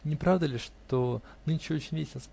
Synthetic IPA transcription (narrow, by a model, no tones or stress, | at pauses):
nʲɪpɾavd̪əlʲɪʂt̪o | nɨnt͡ɕot͡ɕɪnʲvʲesʲɪlʲnəsp